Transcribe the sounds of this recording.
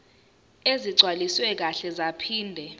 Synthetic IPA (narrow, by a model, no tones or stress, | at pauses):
eziǀʱwaliswɛk̬aɬɛzapʰiːndʱɛ